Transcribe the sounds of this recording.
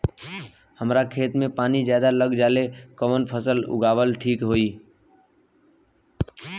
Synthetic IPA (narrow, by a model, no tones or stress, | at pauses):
həmɾakʰeːt̪mẽpaːnid͡ʒjaːd̪aləɡd͡ʒaːlekəmənpʰəsəlʊ̰ɡʱaːʋəlʈʰiːkɦoːiː